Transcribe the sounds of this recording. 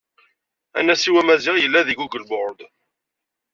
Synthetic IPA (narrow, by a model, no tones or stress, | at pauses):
æ̰nːæsiwæmæzɪʁjəlːæðiɡuɡəlbʊɾˤd̪